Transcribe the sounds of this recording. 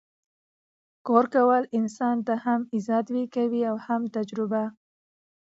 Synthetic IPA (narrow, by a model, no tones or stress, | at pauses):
kɑɾkawəlɪnsɑnt̪ahamizɑt̪wikawiawhamt̪ad͡ʒɾʊba